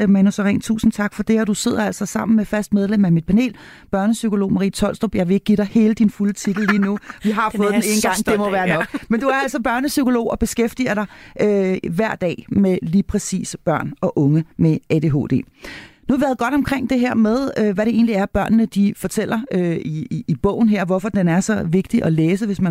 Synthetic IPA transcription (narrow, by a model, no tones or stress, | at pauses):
mænusʁɛ̰ːnt͡sʰṵːsn̩t͡sʰɑ̈ɡ̥fɒd̥e̝ɒd̥use̝ð̞̰ˠɐæl̰sɒsɑ̈m̰n̩mefæsd̥með̞ˠlemæmid̥̚pʰæne̝̰ːl | b̥ɶɐnəsykʰo̝lo̝̰ːmɑʁḭːt͡sʰɒ̽l̰sd̥ʁɔbjɑɪʋee̝ɡ̥̚ɡiɾ̥ɑ̈ɪhe̝ːləd̥infulət͡sʰid̥l̩liːnuʋiɦɑ̈fɔ̽ːð̩ˠdene̝ːnɡ̥ɑ̈ŋ̰d̥emɒʋæːɐnɒ̽ɡ̥mend̥uæɐæl̰sɒ̽b̥ɶɐnəsykʰo̝lo̝̰ːɒ̽b̥e̝sɡ̥efd̥ḭɐɾ̥ɑ̈ɪʔøʋæɐ̰d̥ɛ̰ːmeliːpʰʁɛsḭːsb̥ɶɐ̰nɒ̽ʔɔ̽ŋəmeed̥e̝ɦo̝̰ːd̥e̝̰ːnuhɑʋiʋæɐðˠɡ̥ɒ̽ɾ̥ɒ̽mkʰʁeŋ̰d̥e̝ɦæɐ̰með̞ˠøʋæɾe̝e̝ːn̩liæɐb̥ɶɐnnəd̥ifɒ̽t͡sʰel̰ɐøiːb̥ɔ̰̽ʊ̰n̩ɦeɐ̰ʋɒfɒ̽d̥enæɐsɒ̽ʋe̝ɡ̥̚d̥iʔɒ̽leːsəʋe̝smæ